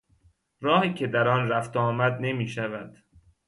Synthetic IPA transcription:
ɾɒːhiːcʰe̞d̪æɾɒːnræft̪ɒːmæd̪ne̞miːʃævæd̪̥

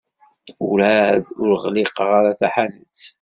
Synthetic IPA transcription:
uɾæðʊɾʁliqʁaɾaθæħanət͡s

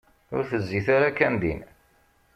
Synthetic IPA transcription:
ʊ̰ɾθəzːiθaɾakːænd̪ḭn

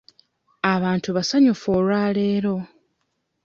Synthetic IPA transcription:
aβaːntuβasaɲufoːlwaːleːɾo̞

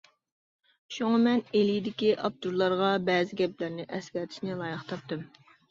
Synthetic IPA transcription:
ʃuŋɑmɛnelijid̪ɪkʲiʔɑp̚t̪uɾlˠɑɾʁɑbɛːzɪɡʲɛplæɾnɪʔɛskʲɛt̪ʰɪ̥ʃnɪlˠɑːjɨχt̪ʰɑp̚t̪ɨm

